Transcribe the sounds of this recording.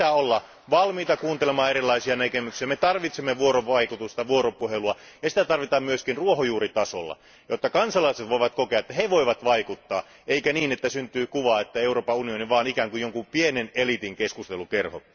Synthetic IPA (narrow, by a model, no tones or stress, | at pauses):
æːolːɑ | ʋɑlmiːt̪ɑkuːnt̪elemɑːeɾilˑːɑisiɑnækemyksiæmet̪ɑrʋit̪semːeʋuoɾoʋɑikut̪ust̪ɑʋuoɾopuheluɑ | jɑsi̥t̪æt̪ɑrʋit̪ɑːmmyøskinruohojuːrit̪ɑso̰lːɑ̰ | jot̪ːɑkɑnsɑlɑiset̪ʋoiʋɑt̪kokeɑet̪ːæheʋoiʋɑt̪ʋɑikut̪ːɑ̰ː | ʔeikæniːnet̪ːæsynt̪yːkuʋɑːet̪ːæeuroːpɑunioniʋɑːnikæːŋkujoŋkumpienenelit̪iŋkeskust̪elukerho̰